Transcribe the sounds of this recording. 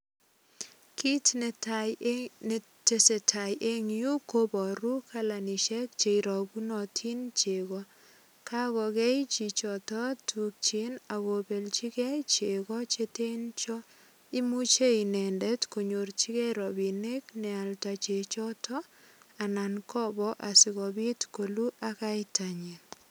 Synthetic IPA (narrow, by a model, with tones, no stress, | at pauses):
ki˦tt | te˨se˨tʰa˨jʔe˦ŋju˦kobɔ˨ɾu˦kʰa˦la˨ni˨ʃɛ˦k̚t͡ʃe˨iɾɔ˨ku˦nɔ˨tʰi˦nt͡ʃe˨ɣɔ | kʰa˦ɣɔkɛ˦jt͡ʃi˨t͡ʃɔ˨tɔ˦tʰu˨k̚t͡ʃi˦na˨ɣo˨be˨lt͡ʃi˦kɛ˦jt͡ʃe˨ɣɔ˦t͡ʃe˦te˦nt͡ʃɔ˦ | i˦mu˦t͡ʃe˦inɛ˨ndɛtko˨ɲo˨rt͡ʃi˦kɛɾɔ˨bi˨ne˦knɛ˨a˨lta˨t͡ʃet͡ʃɔ˦tɔa˨nankʰɔ˦bɔʔa˨sɪ˨ɣɔbi˦tkolu˦ʔa˦ka˦itʰa˨ɲi˨n